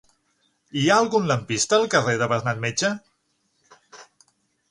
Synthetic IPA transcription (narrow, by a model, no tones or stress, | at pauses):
iaəlˠɣunləmpist̪əːlˠkəreðəβəɾnat̪̚met͡ʃə